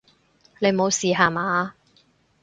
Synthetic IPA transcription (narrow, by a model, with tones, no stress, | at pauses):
nle˨˧jmo˨˧wsiː˨ɦaː˨˧maː˨˦